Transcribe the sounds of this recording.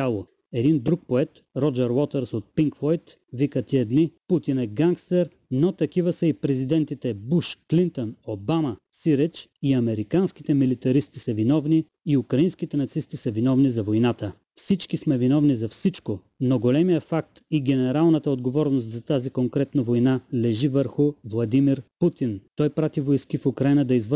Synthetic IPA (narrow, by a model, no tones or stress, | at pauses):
alˠo | ɛd̪ind̪ɾuk̚poɛt̪ | ɾɔd͡ʒɛɾwɔt̪ɛɾsot̪̚piŋkvɔjt̪ | vikət̪iɛd̪niput̪inɛɡaŋkst̪ɛɾ | not̪ɐkivəsəipɾɛzid̪ɛnt̪it̪ɛbuʃklint̪onobamɐsiɾɛt͡ʃiɐmɛɾikanskit̪ɛmilit̪ɐɾist̪i̥sɐvinɔvniː | ukɾɐinskit̪ɛnɐt̪sist̪isɐvinɔvnizɐvojnat̪ə | fsit͡ʃkismɛvinɔvnizɐfsit͡ʃko | noɡolɛmijəfak̚t̪iɡʲɛnɛɾalˠnət̪əod̪ɡovɔɾnost̪zɐt̪azikoŋkɾɛt̪nɐvojnalɛʒivəɾxʊvlˠɐd̪imiɾput̪int̪ɔjpɾat̪ivojskifukɾainəd̪ɐizv